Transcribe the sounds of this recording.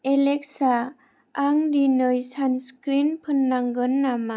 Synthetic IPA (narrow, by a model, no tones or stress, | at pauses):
elek̚saː | ŋdinɯjsanskɾinpʰɯnːaŋɡɯnːama